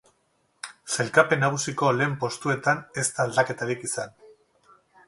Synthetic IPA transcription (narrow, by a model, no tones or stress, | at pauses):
se̞lkape̞naɣ̞usiko̞le̞ːmpo̞st̪ue̞t̪ane̞st̪aːld̪ake̞t̪aɾikisan